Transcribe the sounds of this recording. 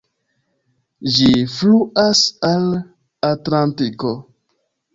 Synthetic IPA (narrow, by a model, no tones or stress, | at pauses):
d͡ʒifluʔasal | atlantiko